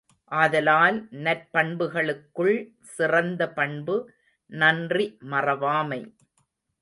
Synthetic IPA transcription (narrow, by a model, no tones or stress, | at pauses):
ʔɐðɐlaːlnɐɾpɐɳbɯɣɐɭɯkːɯɭ | sɪrɐnd̪ɐpɐɳbɯ | nɐndrimɐrɐʋaːmɐɪ